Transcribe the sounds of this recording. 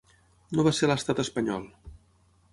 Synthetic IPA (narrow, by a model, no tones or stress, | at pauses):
noβaseləst̪at̪əspəɲɔlˠ